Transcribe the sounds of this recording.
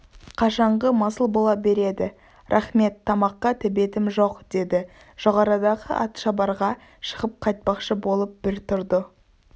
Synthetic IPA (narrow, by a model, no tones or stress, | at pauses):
qʰɑʃɑɴʁəmɑsəlˠbo̞lˠɑbe̞ɾe̞d̪ɪ | ɾʔɑχme̞t̪ʰːɑmɑqːɑt̪ʰɪbe̞t̪ɪmʒo̞qd̪̥e̞d̪ɪ | ʒ̥o̞ʁɑɾəd̪ɑʁə̰ʔɑ̰t̪ʃɑbɑɾʁɑ | ʃə̥ʁəp̚qʰɑjt̪̚pɑqʃəbo̞lˠəp̚bɪɾt̪ʰʊɾd̪ə